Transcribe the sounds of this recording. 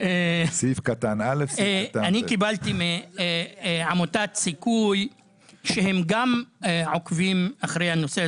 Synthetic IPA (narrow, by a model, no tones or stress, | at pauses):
esifkat̪analefaanikibalt̪ime | ʕamotat̪sikuj | ʃehemɡameʕokvimaχʁejhano̞se